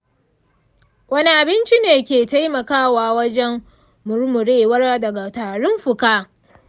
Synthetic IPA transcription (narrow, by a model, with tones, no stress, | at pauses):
wɐ˦ni˦ʔa˨bɪ˦nt͡ʃi˦neː˨kʲeː˨ta˦jmɐ˨kaː˦waː˨wɐ˦d͡ʒɛ˦mː | ʊ˨ɾmʊ˨ɽeː˦wɐ˦rdɐ˨ɡa˨taː˨ɽʊ˦mɸʊ˨kaː˦